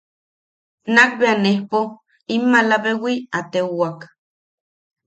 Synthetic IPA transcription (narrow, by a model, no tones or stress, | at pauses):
nak̚beanehpo | imːalaβewiat̪euak